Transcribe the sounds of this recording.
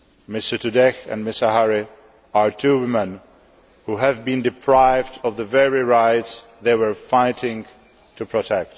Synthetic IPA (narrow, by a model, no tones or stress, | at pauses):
mɪstətudɛxɛ̰̃nmɪsaɦaɹɪ | aɹtʰuːwɪmɛ̃n | huɦævbĩndɪpʰɹaɪvdɔvðəvɛɹɪɹaɪtsðeɪwə˞faɪtɪ̃ŋ | tʰupʰɹɔtʰɛk̚t